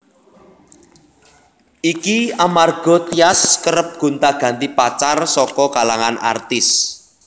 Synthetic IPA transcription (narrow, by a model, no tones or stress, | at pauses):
ʔikiamarɡ̥ɔ̤t̪iaskəɾəp̚ɡ̥ṳnt̪aɡ̥ä̤nt̪ipat͡ʃarsɔkɔkalaŋanʔa̰rt̪ɪs